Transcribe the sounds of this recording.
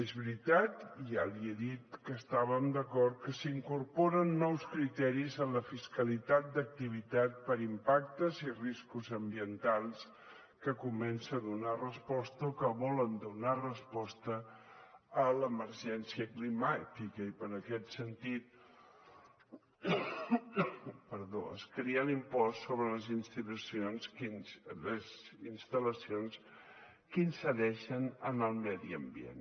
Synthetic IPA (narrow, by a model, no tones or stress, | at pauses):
ezβɾit̪at̪jalieðit̪kəːst̪aβəmd̪əkɔɾt̪̚kəsiŋkuɾpɔɾənːɔwskɾit̪ɛɾizənləfiskəlit̪at̪̚d̪ək̚t̪iβ̞it̪at̪̚pəɾimpak̚t̪əziriskuzəmbiənt̪alˠs | kəkumɛnsəːðunarəspɔst̪əokəβɔlənd̪unarəspɔst̪əː | ləməɾʒɛnsiəklimat̪ikəipəɾəkɛt̪sənt̪it̪̚ | pəɾðo̰ə̰skɾeənimpɔsːoβɾələzinst̪it̪usionsnləzinst̪ələsions | kinsəðɛʃənənəlˠmɛðiəmbiḛn